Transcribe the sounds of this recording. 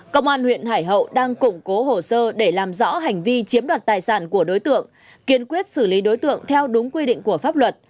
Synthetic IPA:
kə˧wŋ͡mʔaː˧nhwḭ˧˨ənɦaː˧˩jɦə̰˧˨wɗaː˧ŋkʊ˧˩ŋ͡mko˨˦ɦo˨˩səː˧ɗe˧˩laː˨˩mzɔ̰˧˥ɦa˨˩jŋ̟vi˧t͡ɕi˨˦əmɗwaː˨˩t̚t̪aː˨˩jsaː˧˩nku˧˩əɗo˨˦jt̪ɨ̰˧˨əŋ | ki˧˩ənkwi˦˥ət̚sɨ˧˩li˨˦ɗo˨˦jt̪ɨ̰˧˨əŋt̪ʰɛ˧wɗʊ˨˦ŋ͡mkwi˧ɗḭ̈˧˨ŋ̟ku˧˩əfaː˦˥p̚lwə˨˩t̚

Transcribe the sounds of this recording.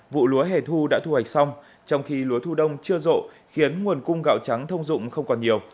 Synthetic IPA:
vṵ˧˨lu˨˦əɦe˧˩t̪ʰu˧ɗa̰ː˧˥t̪ʰu˧ha˨˩jk̟̚sa˧wŋ͡m | t͡ɕɔ˧wŋ͡mxi˧lu˨˦ət̪ʰu˧ɗə˧wŋ͡mt͡ɕɨ˧əzo̰˧˨ | xi˨˦ənŋu˨˩ənkʊ˧ŋ͡mɣa̰ː˧˨wt͡ɕa˨˦ŋt̪ʰə˧wŋ͡mzʊ̰˧˨ŋ͡mxə˧wŋ͡mkɔ˨˩nɲi˨˩əw

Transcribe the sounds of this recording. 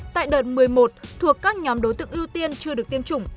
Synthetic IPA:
t̪a̰ː˧˨jɗəː˨˩t̚mɨ˨˩əjmo˨˩t̚t̪ʰu˨˩əkːaː˦˥k̚ɲɔ˨˦mɗo˨˦jt̪ɨ̰˧˨əŋʔəwt̪i˧ənt͡ɕɨ˧əɗɨ˨˩ək̚t̪i˧əmt͡ɕʊ˧˩ŋ͡m

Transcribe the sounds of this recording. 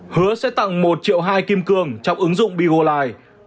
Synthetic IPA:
hɨ˨˦əsɛ̰˧˥t̪a̰˧˨ŋmo˨˩t̚t͡ɕḭ˧˨əwɦaː˧jki˧mkɨ˧˩əŋt͡ɕɔ˧wŋ͡mʔɨ˨˦ŋzʊ̰˧˨ŋ͡mɓi˧ɣo˧laː˧˩j

